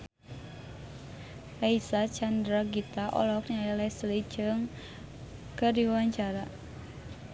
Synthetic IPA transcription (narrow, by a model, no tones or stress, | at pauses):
ʔaisat͡ʃand̪ɾaɡit̪aʔɔ̰lɔk̚ɲaɛlɛslid͡ʒɨŋ | kərdiwaɲt͡ʃaɾa